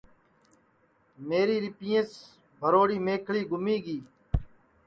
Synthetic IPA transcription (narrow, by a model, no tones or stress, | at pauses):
meːɾiːɾɪpɪjẽːs | bʱəɾoːɽiːmeːkʰɭiːɡʊmiːɡiː